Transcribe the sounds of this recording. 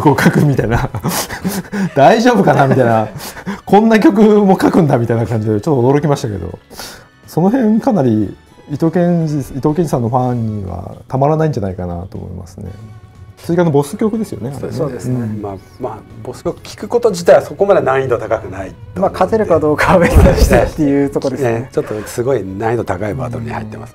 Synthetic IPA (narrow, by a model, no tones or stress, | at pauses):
okokʰakɯ̟mʲit̪aina | d̪̥aiʑo̞ːbɯ̟kanamʲit̪ainakʰõ̞nːak̬ʲo̞k̬ɯ̟mo̞kakɯ̟̃nd̪amʲit̪ainakãɲ̟d͡ʑid̪et͡ɕo̞t̪ːod̪o̞ɾo̞kʲimaɕi̥t̪ake̞d̪o̰ | so̞no̞ɦẽ̞ŋkanaɾʲi | it̪okẽ̞it̪o̞ːk̬ẽ̞ɲd͡ʑisãnːoɸãɲ̟ːiβa̰t̪amaɾanaĩɲ̟d͡ʑanaikana̰t̪o̰ːmo̰ḭma̰sɨne̞̰sɨʑikanːobo̞sɨ̥kʲo̞kɯ̟d̪e̞sɨjo̞̰nea̰ned̪esɯ̃ma | mabosɨ̥kʲo̞kɯ̟̥kʲi̥kɯ̟ko̞t̪o̞d͡ʑit̪aiβaso̞ko̞mad̪e̞nãɰ̃ĩd̪ot̪akakɯ̟naimakʰat̪eɾɯ̟kad̪o̞ːkaβeiaɕi̥et̪ːejɯːt̪o̞kod̪et͡ɕot̪ːosɨɡo̞inãĩd̪o̞t̪akaiba̰ːt̪oɾɯ̟ɲḭha̰it̪ːema̰sɨ̥